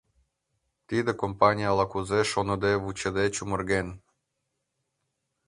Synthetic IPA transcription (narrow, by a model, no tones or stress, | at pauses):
t̪id̪ĕkompɑnʲijɑlɑkuzeʃonɤ̆d̪eβut͡ɕə̆d̪et͡ɕumə̆rɣen